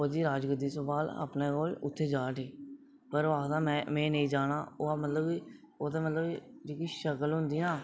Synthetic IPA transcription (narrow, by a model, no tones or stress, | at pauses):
oːd͡ʒiːɾaːd͡ʒɡəd̪iːsəbaːla̰ːpnẽːkoːlʊ̰t̪ʰːeːd͡ʒaːʈiː | pəɾoaːkt̪ãːmɛ̃ːmɛ̃ːnəĩːd͡ʒaːnaːoːaːmət̪ləbiː | oːt̪ẽːmət̪ləbid͡ʒeːkiːʃəkəlɦʊnd̪iːãː